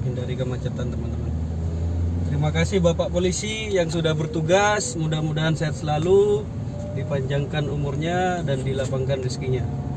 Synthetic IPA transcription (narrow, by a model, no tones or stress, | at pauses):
indaɾikəmat͡ʃat̪ant̪əmant̪əman | t̪əɾimakasɪhbapaʔpolisi | jaŋsudahbərt̪uɡasmudahmudaɦansaat̪̚səlalu | dipaɲd͡ʒaŋkanumurɲadandilapaŋkanriskiɲa